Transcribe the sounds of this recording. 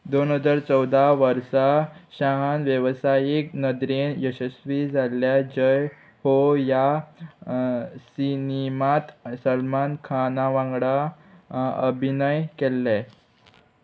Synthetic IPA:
d̪onɦəd͡zaɾt͡səwd̪ʱaʋəɾsaɕaɦanʋjəʋsajiknəd̪ɾenjəɕəsʋid͡zʱalːjad͡ʑəj | hoja | sinimat̪səlmankʰanaʋãŋɡɽa | ə̰bʱinəjkelːɛ

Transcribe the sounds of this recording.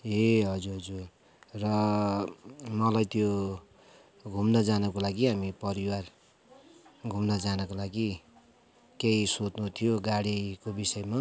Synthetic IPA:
eɦʌd͡zuɾɦʌd͡zur | rʌ | mʌlajt̪jo | ɡʱumnʌd͡zanʌkolaɡiɦamipʌɾiwar | ɡʱumnʌd͡zanʌkolaɡi | kejsot̪nut̪ʰijoɡaɽikobisʌema

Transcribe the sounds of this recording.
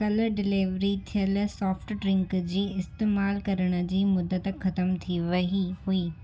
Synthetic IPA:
kɐləɖɪliʋɾit̪ʰijəlsɔːfʈɖɾɪ̃ŋkd͡ʑiːɪst̪eːmaːlkɐɾəɽ̃ə̆d͡ʑiːmʊd̪ət̪xɐt̪əmt̪ʰiʋɐɦiɦuiː

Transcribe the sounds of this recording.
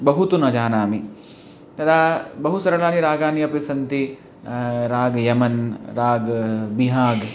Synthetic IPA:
bɐɦut̪unɐd͡ʒaːnaːmi | t̪ɐd̪ʱabɐɦusɐɾɐlaːniɾaːɡaːniɐpisɐnt̪i | ɾaːɡjɐmɐnɾaːɡbiɦaːɡ

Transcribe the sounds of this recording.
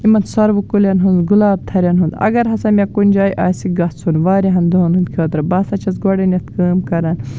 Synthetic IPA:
imɐnt̪sɐɾʋukulʲɐnɦund̪ɡulaːb̚t̪ʰɐɾʲjɐnɦund̪ɐ̰ɡɐɾɦɐsɐmʲɐkunʲd͡ʒaːjʔaːsiɡɐsʰunʋaːɾiɦɐnd̪oːnɦund̪̚kʰɐːt̪ɾɐbɐsɐt͡ʃʰɐsɡɔɽɐnjɐt̪kɐːmkɐɾaːn

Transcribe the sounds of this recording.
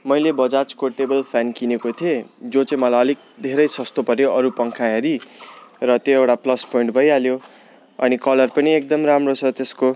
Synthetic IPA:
mʌjlebʌd͡zat͡skoʈebʌlpʰjankinekot̪ʰied͡zot͡saĩmʌlajʌlik̚d̪ʱeɾʌjsʌst̪opʌɾjoʌɾupʌŋkʰaɦeɾi | rʌt̪joewʈaplʌspʰoiɳʈbʱʌjaljo | ʌnikʌlʌrpʌniek̚d̪ʌmramrot͡sʰʌt̪esko

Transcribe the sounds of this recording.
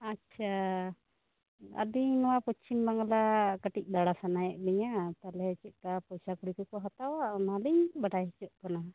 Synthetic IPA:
atːt͡ʃʰa | ə̰d̪inɔwapɔt͡ʃimbaŋlakəʈic̚ˀd̪aɽasanajɛʔbɛɲat̪alɛt͡ʃɛʔ̪̚kapɔjsakuɽikɔkɔɦat̪awaʔmaliɲbaʈajɦɛt͡ʃɔʔkana

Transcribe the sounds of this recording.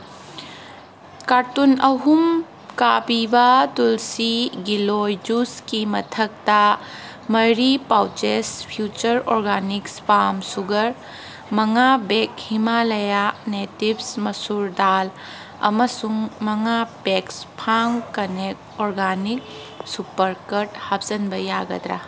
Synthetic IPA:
kaɾtunɐɦum | kabibɐtulsiɡilojd͡ʒuskimɐtʰɐk̚tɐ | mɐjɾipawt͡ʃespʰjut͡ʃɐɾɔɾɡanikspamsuɡɐɾ | mɐŋabekhimalɐjanetibsmɐsuɾd̪al | ɐ̰mɐsuŋmɐŋapekspʰaŋkɐnek̚ɔɾɡanik̚ | supɐɾkɐɾʈhap̚z̥ɐnbɐjaɡɐ̰d̪ɾa̰

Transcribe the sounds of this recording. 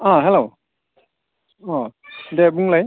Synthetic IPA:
ɔ̃ɦɛlo | ɔ̃dɛbuŋlaj

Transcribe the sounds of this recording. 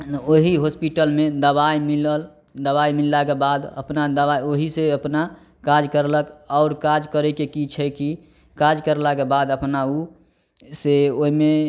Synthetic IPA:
oɦiɦospiʈəlmed̪əβaimiləl | d̪əβaimilːakebad̪ə̰pnad̪əβajoɦiseəpna | kad͡ʒkəɾləkɔʊɾkad͡ʒkəɾekekit͡ʃʰəki | kad͡ʒkəɾlakebad̪əpnau | seoɦime

